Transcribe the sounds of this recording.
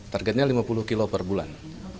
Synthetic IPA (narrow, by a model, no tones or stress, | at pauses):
t̪arɡɛt̪̚ɲalimapuluhkilopərbula̰n